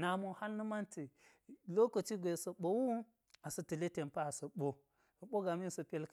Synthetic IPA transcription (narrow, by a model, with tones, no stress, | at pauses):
na˨mo˨ha˦lnɨ˦ma˦nti˨ | lo˦ko˨t͡ʃi˦ɡʷe˨sɐ˨ɓo˨wu˦ | a˨sɐ˨ti˨le˦te˨mpa˦a˨sɐ˨ɓo˦˨ | ɓo˦ɡa˨mi˦nsɐ˨pe˦lk